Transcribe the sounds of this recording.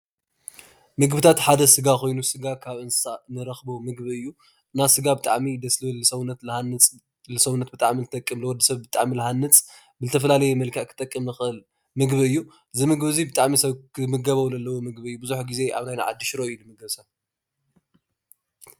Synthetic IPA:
mɨɡbɨt̪ʰat̪ħad̪ɐsɨɡako̞jnusɨɡakʰaβʔɨnsɨsanɨɾɐxbomɨɡbiɨjːu | ʔɨnasɨɡabɨt̪ʼaʕmid̪ɐslɨβɨlːɨsɐwnɐt̪lhant͡sʼ | lɨsɐwunːɐt̪bɨt̪ʼaʕmilɨt̪ʰʼɐkʼːɨmlɨwɔd̪ɐsɐβbɨt̪ʼaʕmilɨhanːɨt͡sʼ | bɨzɨt̪ʰɐfɐlalɐjɛmɐlkʰɐʔkʰɨ̥t̪ʼɐkʼːɨmnɨxɨʔɨl | mɨɡβiɨjːu | ʔɨzimɨɡbzibɨt̪ʼaʕmisɐβkʰɨmɨɡɐβɐwzɐlːɐwomɨɡbiɨjːubɨzuħɡize̞ʔa̰βnajnaʕa̰d̪ːɨʃɾojulɨmɨɡβsɐβ

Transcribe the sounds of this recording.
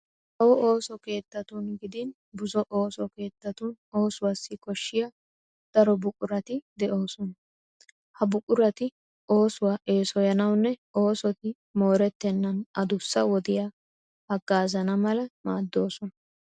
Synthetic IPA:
ʔɔʔoːsɔke̞ːt̪ːɐt̪unɡɪd̪ɪn | bʊzɔʔo̞ːsɔke̞ːt̪ːɐt̪uno̞ːsʊwaːsːɪkɔʃːɪjaː | d̪̥ɐɾɔbʊkʼʊɾɐt̪ɪd̪ɛʔo̞ːsɔnɐ | hɐbʊkʼʊɾɐt̪ɪ | ʔo̞ːsʊwaːʔe̞ːsɔjɐnɐwnːɛo̞ːsɔt̪ɪ | mo̞ːɾɛt̪ːɛnːɐnɐd̪ʊsːɐwɔd̪ɪjaː | hɐɡːaːzɐnɐmɐlɐmaːd̪ːo̞ːsɔnɐ

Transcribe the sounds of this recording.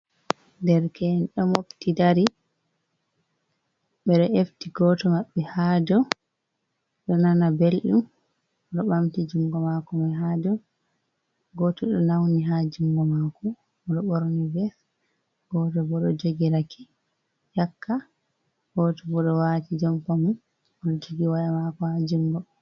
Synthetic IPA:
dɛɾkɛnɗɔmoptidaɾi | ɓɛɗɔʔeftiɡɔtɔmaɓːɛhad͡ʒɔ | ɗɔnanabelɗum | ɗɔɓamtid͡ʒuŋɡɔmakɔmaɦadɔ | ɡɔtɔɗɔnawniɦad͡ʒuŋɡɔmakɔ | ɔɗɔɓoɾnivɛs | ɡ̥ɔtɔbɔɗɔd͡ʒoɡiɾakʰi̥ | jakːa | ɡ̥ɔtɔbɔɗɔwatid͡ʒɔmkɔmun | ɔɗɔd͡ʒoɡiwajamakɔhad͡ʒuŋɡɔ

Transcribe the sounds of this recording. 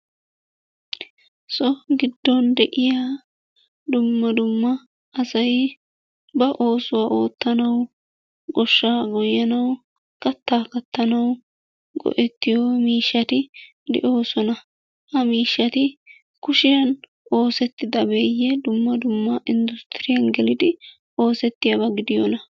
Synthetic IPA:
sɔɡɪd̪ːɔnd̪ɛʔɪjaː | d̪ʊmːɐd̪ʊmːɐ | ɐsɐj | bɐʔo̞ːsʊwaːʔo̞ːt̪ːɐnɐw | ɡɔʃːaːɡɔjːɐnɐw | kɐt̪ːaːkɐt̪ːɐnɐw | ɡɔ̰ʔɛt̪ːɪjomiːʃːɐt̪ɪ | d̪ɛ̰ʔo̞ːsɔnɐ | hɐmiːʃːɐt̪ɪ | kʊʃɪjɐn | o̞ːsɛt̪ːɪd̪ɐbeːjɛd̪ʊmːɐd̪ʊmːɐʔɪnd̪ʊst̪ɪɾɪjɐnɡɛlɪd̪ɪ | o̞ːsɛt̪ːɪjɐbɐɡɪd̪ɪjɔ̰nɐ

